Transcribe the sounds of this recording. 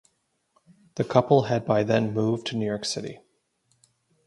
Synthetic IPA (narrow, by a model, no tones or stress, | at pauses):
ðɨkʰʌpl̩ˠɨd̚baɪðɨ̃nmuvtʰɨnʉjɔɹksɪɾḭ